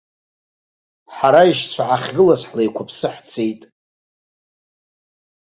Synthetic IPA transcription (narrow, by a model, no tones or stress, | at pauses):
ħaɾaiʃt͡ʃʷʰaʕaχʲɡɨlasħlajkʷʰapʰsɨħt͡sʰejtʼ